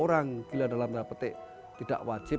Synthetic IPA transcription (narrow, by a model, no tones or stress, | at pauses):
oɾaŋɡ̥iladalamd̪apət̪ɪ̰ | t̪id̥a̰ʔwḁd͡ʒ̥ɪ